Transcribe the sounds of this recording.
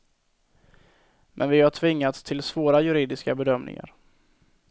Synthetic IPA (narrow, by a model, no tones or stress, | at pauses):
mʔɛ̰nvɪhaʈʰvɪŋːat̪st̪ʰɪlsvoːɾajɵɾiːd̪ɪskabɛd̪œmnɪ̰ŋa̰ɾ